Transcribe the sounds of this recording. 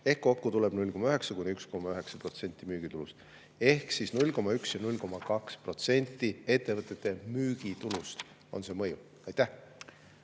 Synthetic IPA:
e̞hkːo̞kːut̪ule̞b̥nulʲko̞mɑøɦe̞ksɑkujnyksko̞mɑøɦe̞ksɑpro̞t̪se̞nʲt̪ːˑimyːɡ̥it̪ulust̪ | e̞hksisnulʲko̞mɑyksjɑnulʲko̞mɑkɑkspro̞t̪se̞nʲt̪ːˑie̞t̪ːe̞vɤt̪ˑːet̪ːˑe̞myːɡ̥it̪ulust̪ | o̞̰nse̞mɤju | ɑjt̪ːæh

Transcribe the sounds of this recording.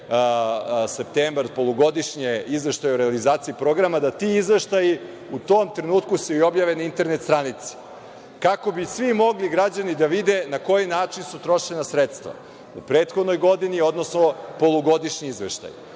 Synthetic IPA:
sept̪eːmbɾpo̞lˠoɡo̞d̪iʃɲeizʋe̞ʃt̪ajeuɾealizaːt̪siipɾo̞ɡɾamad̪at̪iizʋe̞ʃt̪aji | ut̪o̞ːmt̪ɾenuːt̪kuseio̞bjaʋenaint̪e̞ɾnet̪st̪ɾanit̪se̥ | kako̞bisʋimo̞ɡliɡɾad͡ʑanid̪aʋid̪enako̞jinaːt͡ʃinsut̪ɾo̞ʃenasɾet̪st̪ʋa̰ | upɾe̞ːt̪xod̪nojɡo̞d̪inio̞d̪nosno̞po̞lˠuɡo̞d̪iʃɲiizʋḛʃt̪a̰j

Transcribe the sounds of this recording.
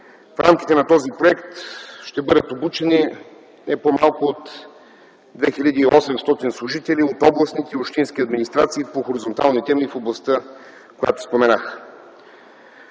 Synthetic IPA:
fɾamki̥t̪ɛnɐt̪ɔzipɾoɛkt̪ʃt̪ɛbɤd̪ət̪obut͡ʃɛni | nɛpomalˠkʊot̪ | d̪vɛxiʎʲad̪iːɔsɛmst̪ɔt̪inslˠʊʒit̪ɛliot̪ɔblˠɐsnit̪ɛiopʃt̪insk̟iɐd̪minist̪ɾat̪siːpoxoɾizont̪alˠnit̪ɛmifoblˠɐst̪ə | koja̰t̪ʊ̥spomɛnax

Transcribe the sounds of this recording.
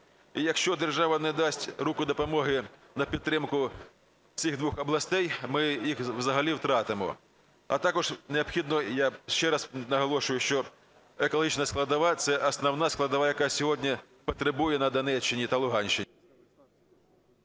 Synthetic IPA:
ijɐkʃt͡ʃɔd̪erʒɑʋɐnɛd̪ɑsʲtʲrukʊd̪ɔpɔmɔɦɪnɐpʲid̪ːɾɪmkʊ | sʲiɣd̪ʋuxɐblˠɐsʲt̪ɛjmɪjixʋzɐɦɐlʲiwt̪ɾɑt̪ɪmɔ̰ | ɐ̰t̪ɑkɔʐneɐbxʲid̪nɔjaʃt͡ʃɛɾɑsnɐɦɔlˠɔʃʊjʊʃt͡ʃɔ | ekɔlˠɦit͡ʃnɐsklˠɐd̪ɐʋɑt̪sɛʔɐsnɐwnɑsklˠɐd̪ɐʋɑjɐkɑsʲɔɦɔdʲnʲi | pɔt̪ɾebujɛnɐd̪ɐnɛt͡ʃːɪnʲit̪ɐlˠʊɦɑnʲʃt͡ʃɪnʲi

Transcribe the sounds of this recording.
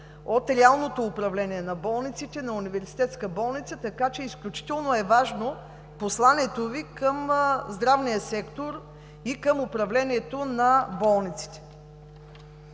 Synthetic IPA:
ot̪ɾɛalˠnot̪oːpɾɐvlɛniɛnɐbɔlˠnit̪sit̪ɛnɐunivɛɾsi̥t̪ɛt̪skəbɔlˠnit̪sət̪ɐkat͡ʃɛisklʲut͡ʃi̥t̪ɛlˠnoɛvaʒno | poslˠaniɛt̪ovikəmzd̪ɾavniəsɛkt̪oɾ | ikəmʊpɾɐvlɛniɛt̪onɐbɔlˠnit̪si̥t̪ɛ̥

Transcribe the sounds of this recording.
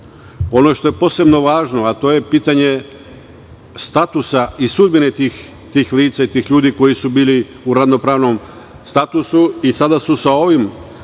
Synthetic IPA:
o̞no̞ʃt̪o̞jepo̞ːse̞bno̞ʋaːʒno̞at̪o̞ːje̞piːt̪aɲe̞ | st̪at̪usaisud̪̚binet̪iːx | t̪iːxliːt̪sait̪iːxʎuːd̪iko̞jisubiːli | uɾadno̞pɾaːʋno̞m | st̪at̪usuisad̪asusao̞ʋim

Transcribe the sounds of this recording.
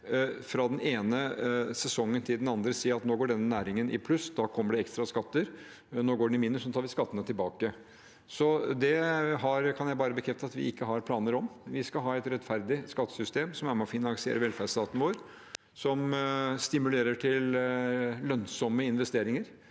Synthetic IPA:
fɾɑd̪ɛneːnəsɛsɔŋːənt̪ʰɪld̪ɛnɑnd̪ɾəsiːɾɑt̪noːɡoːɖɛnːənæːɾɪŋənɪ̰pʰlʉsd̪ɑkʰɔmːəɖɛɛkst̪ɾɑskɑt̪ːəɾ | noːɡoːɖɛɪmɪnːʉsɔt̪ʰɑːɾʋɪskɑt̪ːənət̪ʰɪlbɑːkə | sɔd̪ɛɦɑɾkʰɑnjæɪbɑːɾəbəkʰɾɛft̪əɑt̪ʋɪ̰ɪkːəɦɑɾpʰlɑːnəɾɔmʋɪskɑɦɑːɛɪt̪ɾɛt̪fæɾd̪ɪskɑt̪ːə̥sʏst̪eːmsɔmæɾmɛɔfɪnɑŋsɪḛːɾəʋɛlfæːʂt̪ɑːt̪nəʋoːɾ | sɔmst̪ɪmʉleːɾəʈʰɪl | lœnsɔməɪnʋɛst̪eːɾɪŋəɾ

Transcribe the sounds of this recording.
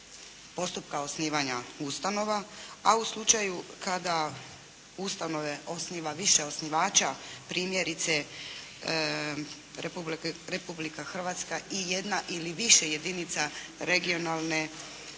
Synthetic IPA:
po̞st̪upkao̞sniːʋaɲaust̪ano̞ʋaauslˠut͡ʃajukad̪a | ust̪ano̞ʋe̞ʔo̞sniːʋaʋiʃe̞o̞sniʋaːt͡ʃapɾiːmje̞ɾit̪se̞ | ɾepubɾepublikaxr̩ʋat̪skaije̞d̪naʔiliʋiʃe̞je̞d̪init̪saɾeɡio̞nalˠne̞

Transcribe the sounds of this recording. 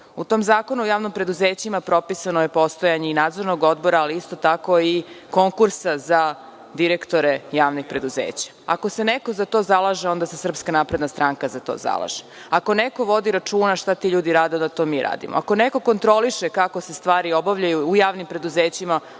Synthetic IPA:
ut̪omzaːko̞nuojaːʋnompɾe̞d̪uzeːt͡ɕimapɾo̞pisanojepo̞st̪ojaɲeinaːd̪zo̞ɾnoɡo̞d̪bo̞ɾaːliist̪o̞t̪ako̞iko̞ŋkuɾsaza | d̪iɾekt̪oɾejaːʋnixpɾe̞d̪uzḛːt͡ɕḁa̰ko̞seneko̞zat̪o̞ːzalˠaʒeo̞nd̪asesr̩pskanaːpɾed̪nast̪ɾaŋkazat̪o̰ːza̰lˠa̰ʒ̥e | akoneko̞ʋo̞d̪iɾat͡ʂuːnaʃt̪at̪iʎuːd̪iɾaːd̪eod̪at̪o̞ːmiːɾa̰ːd̪ḭmo̰ako̞neko̞ko̞nt̪ɾo̞liʃekako̞se̞st̪ʋaːɾio̞baʋʎajuːjaːʋnimpɾe̞d̪uzeːt͡ɕima

